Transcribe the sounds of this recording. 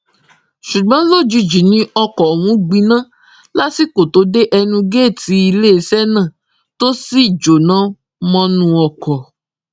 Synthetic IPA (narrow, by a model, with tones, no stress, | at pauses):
ʃu˨ɡ͡bã˨˦lo˦˨d͡ʒi˧d͡ʒi˨nĩ˦ɔ˧kɔ˨wũ˨˦ɡ͡bĩ˧nã˦ | la˦si˦ko˨to˨˦de˦ʔɛ˧nũ˧ɡeː˦˨ti˨˧˦i˧le˦˧sɛ˦nã˦˨ | to˦si˦i˨d͡ʒo˨nã˨˦ | mɔ̃˧nũ˧ɔ˧˨kɔ˨